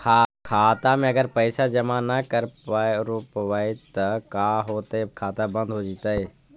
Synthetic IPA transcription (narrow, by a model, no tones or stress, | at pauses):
kʰakʰaːt̪amẽəɡəɾpəɪsad͡ʒəmanəkəɾɾupʋait̪əkaɦoːt̪əekʰaːt̪abə̃nd̪ʱɦod͡ʒit̪əj